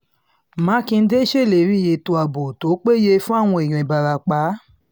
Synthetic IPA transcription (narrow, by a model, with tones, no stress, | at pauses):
mã˨˦kĩ˧n̩˦de˦ʃe˦˨le˨˦ɾĩ˦˨je˨to˧a˨bo˨to˨˦k͡pe˦je˧fũ˦a˦˨w̃ɔ̃˧i˨ɾ̃ĩ˨ba˨ɾa˨k͡pa˨˦